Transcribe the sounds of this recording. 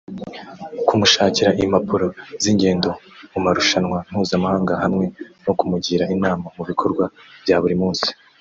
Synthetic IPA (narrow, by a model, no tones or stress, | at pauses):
kumuʃaːciɾaʔimapuɾo̞ziːɲɟe̞ːndo̞umaɾuʃanwan̥huːzamahaːŋɡahamŋe̞no̞kumuɟiːɾainaːmamuβikʰo̞ɾɡwav̥jaːβuɾimuːnsi̥